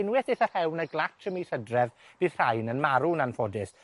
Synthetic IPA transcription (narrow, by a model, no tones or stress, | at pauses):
ɪnwɛθɪθərhɛwnəɡlˠatʰəmiθədrɛvb̥ɨðr̥ajnənmaɾunanfɔdɪs